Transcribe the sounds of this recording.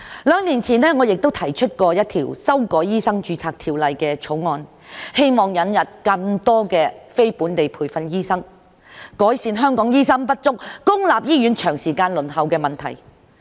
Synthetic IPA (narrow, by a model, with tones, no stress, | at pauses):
lœː˨˧ŋniː˨˩nt͡sʰiː˨˩nlɛː˥ŋɔː˨˧jɪ˨k̚t̪o˥wt̪ʰɐ˨˩jt͡ʃʰɵ˥t̚kɔː˧jɐ˥t̚t̪ʰḭː˨˩wsɐ˥wkɔː˨˥jjiː˥sɐ˥ŋt͡ʃyː˨˧t͡sʰaː˧k̚t̪ʰiː˨˩wlɐ˨jkɛː˧t͡ʃʰo˨˥wŋɔː˧n | he˥jmɔː˨ŋjɐ˨˥njɐ˨t̚kɐ˧ŋt̪ɔː˥kɛː˧fe˥jpuː˨˥nt̪e˨jpʰuː˨˩jfɐ˧njiː˥sɐ˥ŋ | kɔː˨˥jsiː˨˧nɦœː˥ŋkɔː˨˥ŋjiː˥sɐ˥ŋpɐ˥t̚t͡sʊ˥k̚kʊ˥ŋlaː˨p̚jiː˥jy˨˥nt͡ʃʰœː˨˩ŋsiː˨kaː˧nlɵ˨˩nɦɐ˨wkɛː˧mɐ˨˩nt̪ʰɐ̰˨˩j